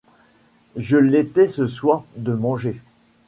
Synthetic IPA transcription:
ʒəlet̪ɛsəswaːʁd̪əmɑ̃ʒe

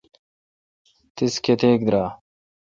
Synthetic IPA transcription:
t̪isket̪eːk̚d̪ɾaː

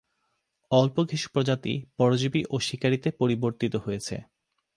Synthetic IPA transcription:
ɔlpoɡʱiʃu̥pɾod͡ʑat̪ḭpɔɾod͡ʑibiʔoʃikaɾit̪epoɾiboɾt̪it̪oɦojet͡ɕʰḛ

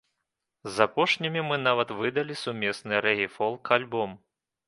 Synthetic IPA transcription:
zapɔʂnʲimʲimɨn̪avɐt̪vɨd̪ɐlʲisumʲɛsnɨɾɛɣʲifɔlˠkʰalʲbɔm

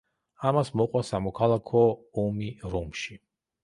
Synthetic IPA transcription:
amasmɔqʼwasamɔkʰalˠakʰɔːmiɾɔmʃi

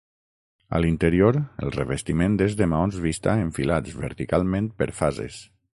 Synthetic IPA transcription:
ə̰lint̪əɾioɾə̰lˠreβest̪imẽnd̪ezðemaonzβist̪aeɱfilat͡sd͡zβəɾt̪ikalˠmẽnt̪̚pəɾfazḛs

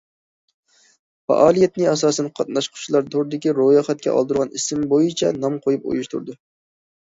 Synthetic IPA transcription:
fɑ̰ʔɑːlˠijɛt̪nɪɛsɑːsɛnqʰɑt̪̚nɑʃqʰʊ̥t͡ʃʰlˠɑɾd̪ʰoɾd̪ɪkʲiɾojɑχɛt̪̚kʲɛ̰ʔɑ̰lˠd̪ɨɾʁɑnisɪmbojit͡ʃʰɛnɑmqʰojup̚o̰juʃt̪ṵɾd̪ʊ

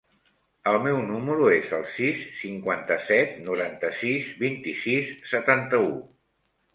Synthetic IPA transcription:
əlˠmɛwnuməɾuezəlˠsisːiŋkwant̪əsɛt̪̚nuɾant̪əsizbint̪isisːət̪ant̪əu

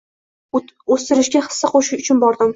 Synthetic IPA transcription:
ost̪ɪɾɪʃɡʲaχɨ̥sːaqʰoʃɪʃʊt͡ʃʰʊnbɒɾd̪ɪm

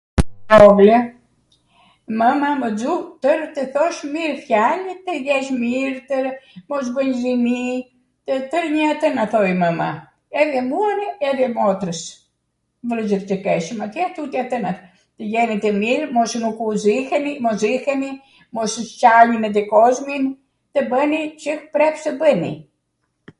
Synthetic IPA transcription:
ɔɡlɛ | məmaməd͡zut̪əɾt̪əθɔʃmiɾfjalit̪əjɛʃmiɾt̪əɾmɔs̬bəɲzini | t̪ət̪əɾɲəat̪ənaθɔjməma | ɛðɛmuaniɛðɛmɔt̪ɾəs | vləzəɾt͡ʃəkɛʃəmat̪jɛat̪ut̪iat̪ənat̪ | t̪əjɛnit̪əmiɾmɔsnukuzihənimɔzihəni | mɔst͡ʃalinɛd̪ɛkɔzmin | t̪əbənit͡ʃəhpɾɛpsəbənḭ

